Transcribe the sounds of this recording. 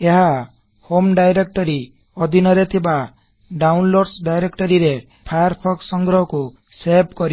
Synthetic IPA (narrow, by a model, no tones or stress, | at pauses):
eɦa | homɖajɾek̚ʈɔɾi | ɔd̪inʌɾet̪ʰiba | ɖawnloɖsɖajɾekʈɔɾiɾe | pʰajaɾpʰɔksɔŋɡɾɔɦɔko | sebkɔɾi